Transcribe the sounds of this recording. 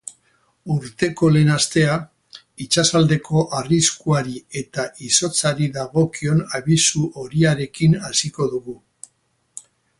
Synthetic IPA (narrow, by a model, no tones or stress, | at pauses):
uɾt̪e̞ko̞le̞ːnast̪e̞a | it͡ʃasald̪e̞ko̞ʔariskuaɾie̞t̪aʔiso̞t͡saɾiðaɣo̞kio̞naβisuʔo̞ɾiaɾe̞kinasiko̞ðuɣu